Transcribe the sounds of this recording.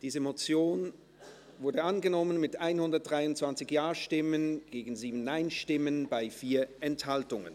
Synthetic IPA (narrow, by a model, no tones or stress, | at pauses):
d̥iːzəmot͡sjoːn | vʊɐdəanɡənɔmənmɪtʔaɪnhʊndɐt̚d̥ʁaɪʊntt͡sv̥ant͡sɪçjaːɐʃtɪmənɡ̥eːɡn̩ziːbn̩ːaɪnʃtɪmənbaɪfiːɐʔɛnthaltʊŋə̰n